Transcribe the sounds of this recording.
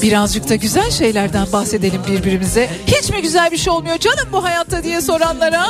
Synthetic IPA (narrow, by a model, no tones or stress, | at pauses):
biɾazd͡ʒɯk̚t̪ʰaɟyzælʲʃe̞jlʲæɾd̪ænbaxse̞d̪e̞lʲimbiɾbiɾimizɛ | hit͡ʃmiɟyzælʲbiʃejo̞lˠmujo̞d͡ʒanɯmbuɦajat̪ʰːad̪ijɛso̞ɾanlˠaɾa